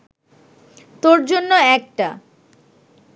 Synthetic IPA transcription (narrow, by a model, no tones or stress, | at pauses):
t̪oɾd͡ʑonːoɛk̚ʈa